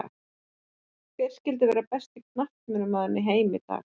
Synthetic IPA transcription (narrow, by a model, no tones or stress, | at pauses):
kvɛɾ̥scɪlt̪̬ɪvɛːɾapɛst̪ɪkʰnaht̪mʏnːʏmaːðɪnːɪɦeːjmɪ̰t̪a̰ːx